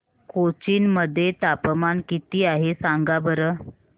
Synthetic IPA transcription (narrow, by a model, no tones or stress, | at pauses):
kot͡ɕiːnməd̪ʱːjet̪apəmankit̪iːaɦesaŋɡabəɾəː